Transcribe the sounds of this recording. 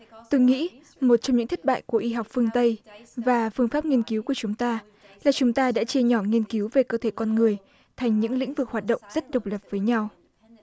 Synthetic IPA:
t̪o˧jŋḭ˧˥ | mo˨˩t̚t͡ɕɔ˧ŋ͡mɲɨ̰˧˥ŋt̪ʰə˦˥t̚ɓa̰ː˧˨jku˧˩əʔi˧ɦa˨˩wk͡p̚fɨ˧əŋt̪ə˧jvaː˨˩fɨ˧əŋfaː˦˥p̚ŋi˧ənki˨˦wku˧˩ət͡ɕʊ˨˦ŋ͡mt̪aː˧ | laː˨˩t͡ɕʊ˨˦ŋ͡mt̪aː˧ɗa̰ː˧˥t͡ɕe˧ɲɔ˧˩ŋi˧ənki˨˦wve˨˩kəː˧t̪ʰe˧˩kɔ˧nŋɨ˨˩əj | t̪ʰa˨˩jŋ̟ɲɨ̰˧˥ŋlḭ˧˥ŋ̟vɨ˨˩k̚hwaː˨˩t̚ɗə̰˧˨wŋ͡mzə˦˥t̚ɗə˨˩wk͡p̚lə˨˩p̚vəː˨˦jɲa˧w

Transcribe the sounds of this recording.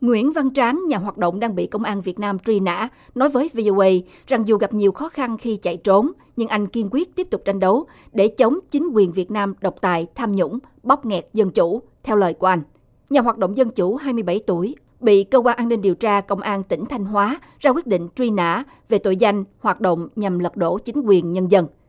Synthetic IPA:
ŋwḭ˧˩ənva˧nt͡ɕaː˨˦ŋɲaː˨˩ɦwaː˨˩t̚ɗo̰˧˨ŋ͡mɗaː˧ŋɓḭ˧˨kə˧wŋ͡mʔaː˧nvət̚naː˧mt͡ɕwi˧na̰ː˧˥nɔ˨˦jvəː˨˦jvi˧ʔo˧ʔə˧j | za˨˩ŋzu˨˩ɣa˨˩p̚ɲi˨˩əwxɔ˨˦xa˧nxi˧t͡ɕa̰˧˨jt͡ɕo˨˦n | ɲɨ˧ŋʔa˧jŋ̟ki˧ənkwi˦˥ət̚t̪i˦˥əp̚t̪ʊ˨˩k͡p̚t͡ɕa˧jŋ̟ɗə˨˦w | ɗe˧˩t͡ɕə˨˦wŋ͡mt͡ɕï˨˦ŋ̟kwi˨˩ənvi˨˩ət̚naː˧mɗə˨˩wk͡p̚t̪aː˨˩jt̪ʰaː˧mɲʊ̰˧˥ŋ͡m | ɓa˦˥wk͡p̚ŋɛ˨˩k̚zə˧nt͡ɕu˧˩ | t̪ʰɛ˧wləː˨˩jku˧˩əʔa˧jŋ̟ | ɲaː˨˩ɦaː˨˩t̚ɗo̰˧˨wŋ͡mzə˧nt͡ɕu˧˩ɦaː˧jmɨ˧jɓa˧˩jt̪u˧˩əj | ɓḭ˧˨kəː˧kwaː˧nʔaː˧nːï˧ŋ̟ɗi˨˩əwt͡ɕaː˧kə̰˧wŋ͡mʔaː˧nt̪ï˧˩ŋ̟t̪ʰa˧jŋ̟ɦwaː˨˦ | zaː˧kwət̚ɗḭ̈˧˨ŋ̟t͡ɕwi˧na̰ː˧˥ | ve˨˩t̪o̰˧˨jza˧jŋ̟hwaː˨˩t̚ɗo̰˧˨wŋ͡mɲa˨˩mlə˨˩t̚ɗo̰˧˥˩t͡ɕï˨˦ŋ̟kwi˨˩ənɲə˧nzə˧n

